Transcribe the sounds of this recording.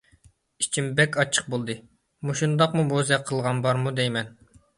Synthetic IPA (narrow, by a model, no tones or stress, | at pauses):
it͡ʃʰimbɛkʲɑt͡ʃʰːə̥q̚bolˠd̪ɨ | muʃund̪ɑqmubozɛqʰːəlˠʁɑnbɑɾmud̪ejmɛn